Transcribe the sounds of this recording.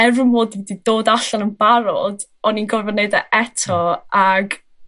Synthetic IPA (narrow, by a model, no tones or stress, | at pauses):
ɛrʊmoːddidoːdaɬanənbaɾɔd | ɔninɡɔvvɔneɨdaʔɛtʰɔaɡ